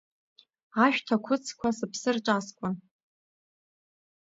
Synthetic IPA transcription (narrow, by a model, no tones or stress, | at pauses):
aʃᶣtʰakʷʰʊt͡sʰkʷʰasɨpʰsɨrʈ͡ʂʼaskʷʼʊn